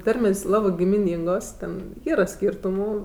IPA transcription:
ˈtɐrʲmʲeːsʲ ˈlˠɑːbɜ ɡʲɪmʲɪˈnʲiːŋɡoːs ˈtʲɛn ˈiːrɐ ˈsʲkʲiːrtʊmuː

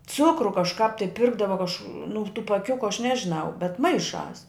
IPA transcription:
ˈt͡sʊkrʊ kɐʃˈkɑːp tɐɪ ˈpʲɪrɡdɐʋɐ kɐʃ nʊ tuː pɐˈkʲʊkʲʊ ɐʃ ˈnʲæːʒʲɪnɐʊ bʲɛt ˈmɐɪˌʃɑːs

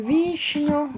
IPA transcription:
ˈʋʲiːʃʲnʲʊ

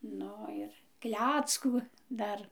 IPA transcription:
ˈnʊ ˈɪr ˈklʲæːt͡skuː ˈdɐr

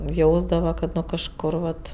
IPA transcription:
ˈjɛʊzdɐʋɐ kɐt ˈnʊ kɐʃˈkʊr ʋɐt

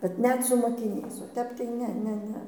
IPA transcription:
kɐt ˈnʲɛt sʊ moːkʲɪˈnʲɛɪs oː ˈtʲɛp tɐɪ ˈnʲɛ ˈnʲɛ ˈnʲɛ

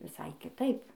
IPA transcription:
ʋʲɪˈsɐɪ kʲɪˈtɐɪp

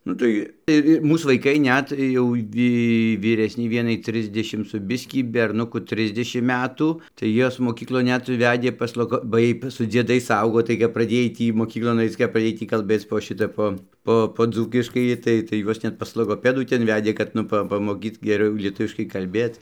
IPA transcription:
nʊ ˈtɐɪ ɪr ɪ ˈmuːs ʋɐɪˈkɐɪ ˈnʲɛt jɛʊ ˈʋʲiː ʋʲiːˈrʲæːsʲnʲɛɪ ˈʋʲiɛnɐɪ ˈtʲrʲɪzʲdʲɛʃʲɪm sʊ bʲɪsʲkʲiː bʲɛrˈnʊkʊ ˈtʲrʲɪzʲdʲɛʃʲɪm ˈmʲæːtuː tɐɪ ˈjuɔs moːˈkʲiːklˠoːn ˈnʲɛt ˈʋʲæːdʲeː pɐs ˈlˠoːɡoː bɐ ˈjiɛj sʊ d͡zʲiɛˈdɐɪs ˈɐʊɡoː tɐɪ kɐp prɐˈdʲeːj ˈtʲiː moːˈkʲiːklˠoːn ˈɐɪt͡s kɐp prɐˈdʲeːj ˈtʲiː kɐlʲˈbʲeːt͡s poː ˈʃʲɪtɐ ˈpoː ˈpoː poː ˈd͡zuːkʲɪʃkɐɪ ˈtɐɪ tɐɪ ˈjuɔs ˈnʲɛt pɐs lˠoːɡoːˈpʲæːduː ˈtʲɛn ˈʋʲæːdʲeː kɐt ˈnʊ ˈpɐ pɐmoːˈkʲiːt ɡʲɛˈrʲɛʊ lʲiɛˈtʊʋʲɪʃkɐɪ kɐlʲˈbʲeːt

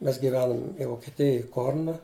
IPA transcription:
mʲɛs ɡʲɪˈʋʲæːnʊm ʋoːkʲɪˈtʲɪjoːj ˈkoːrnɐ

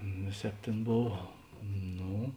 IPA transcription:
ˈʋʲeːˌsʲɛːp ˈtʲeːn ˈboːw ˈnoː

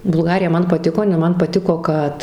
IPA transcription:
bʊlˠˈɡɑːrʲɪjɛ ˈmɐn pɐˈtʲɪkoː jɪˈnɐɪ ˈmɐn pɐˈtʲɪkoː ˈkɐt

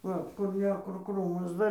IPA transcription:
ˈʋɐ kʊr ˈnʲɛ kʊr ˈkruːmɐs ˈdɐr

